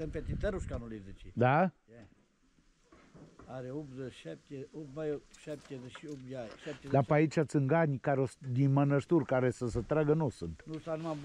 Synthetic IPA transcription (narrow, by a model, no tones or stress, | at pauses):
səmpet̪it̪eɾuʃkanulizet͡ʃid̪a | aɾeopzəʃap̚t̪ʲeopmajoʃap̚t̪ʲezeʃiopaʃap̚t̪ʲed̪apəait͡ʃʲat̪sɨŋɡanʲkaɾeosd̪inmənəʃt̪urkaɾesəsət̪ɾaɡənosɨnt̪nusanuma